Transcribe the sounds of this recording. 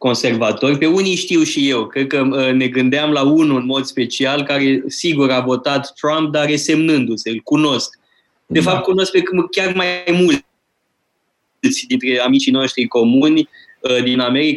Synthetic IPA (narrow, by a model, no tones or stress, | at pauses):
ko̞nse̞rvat̪o̞rʲpe̞unijʃt̪iwʃije̞wkɾe̞d̪̚kəne̞ɡɨnd̪eamlaunuɨnmo̞d̪spe̞t͡ʃialkaɾe̞siɡuɾavo̞t̪at̪ːɾamp̚d̪aɾe̞se̞mnɨnd̪useɨlkuno̞sk | d̪e̞fap̚t̪̚kuno̞sk̚pekɨmkʲarmajmul | t̪sʲd̪int̪ɾe̞amit͡ʃino̞ʃt̪ɾiko̞munʲ | d̪iname̞ɾik